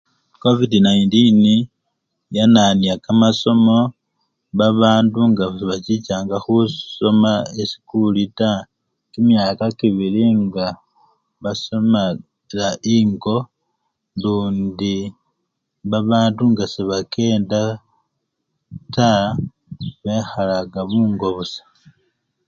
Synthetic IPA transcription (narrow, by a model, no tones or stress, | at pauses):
ko̞vidinajintini | jananjakamaso̞mo̞ | βaβaːnduŋɡasβacicaːŋɡaxuso̞maesi̥kulita | kimjaːkakiβiliŋɡa | βaso̞ma | laʔiŋɡo̞ | luːndi | βaβaːnduŋɡaseβake̞ːnda | ta | βe̞xalaɡaβuːŋɡo̞βusḁ